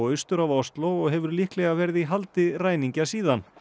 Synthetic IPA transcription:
ɣʏst̪ʏɾavawst̪loɣɔɣɦɛvʏɾlihklɛɣavɛɾɪðiɦalt̪ɪraːjniɲcasiːðan

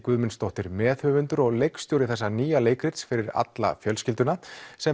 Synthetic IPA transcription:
kvʏðmɪnst̪ɔht̪ɪɾmɛːθhœvʏnt̪ʏɾɔɣlejkst̪jowɾɪθɛsːaniːjaleːjkɾɪt̪sfɪɾɪɾa̰t̪la̰fjœlscɪlt̪ʏnasɛ

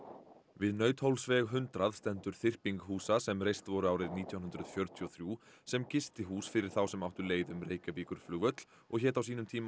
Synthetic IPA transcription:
vɪðnœːɥt̪howlsvɛɣɦʏnt̪ɾaðst̪ɛnt̪ʏɾ̥θɪr̥piŋkɦuːsasɛmrejst̪vɔɾʏaːwɾɪðniːt̪ʰjawnɦnd̪ɾʏðfjœɾt̪ʰiɔθɾjuː | sɛmcɪst̪ɪɦuːsfɪɾɪɾ̥θawsɛmawht̪ʏleːjðʏmreːjcapiːkʏɾ̥flʏːɣvœt̪l | ɔɣçɛːt̪awsiːnʏmt̪ʰiːma

